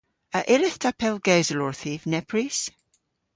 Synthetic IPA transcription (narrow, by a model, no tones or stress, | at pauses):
əʔɪlɪθtʰapʰɛlˠɡɛzəlɔɹθivnɛpʰɹis